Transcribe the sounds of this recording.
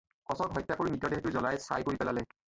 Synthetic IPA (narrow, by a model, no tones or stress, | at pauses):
kɔsɔkɦɔjtːakoɹinitːɔdexɛtʊzɔlajsa̰jkoɹipɛla̰lɛ